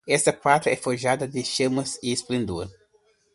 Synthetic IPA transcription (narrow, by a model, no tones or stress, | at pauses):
ɛst̪ɐkwat̪ɾɐɛfoʒad̪ɐd̪ɪʃemɐsisplĩnd̪uɾ